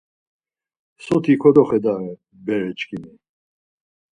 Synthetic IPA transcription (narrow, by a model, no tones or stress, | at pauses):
sɔt̪ʰikʰɔd̪ɔχɛd̪aɾɛ | bɛɾɛt͡ʃkʰʼini